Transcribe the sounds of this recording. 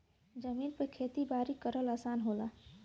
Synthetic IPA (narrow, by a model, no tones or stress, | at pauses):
d͡ʒəmiːnpəkʰeːt̪ibaːɾikəɾəlaːsaːnɦola